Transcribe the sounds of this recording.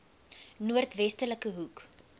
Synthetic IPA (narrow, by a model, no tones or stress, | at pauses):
nuərtvɛstələkəɦuk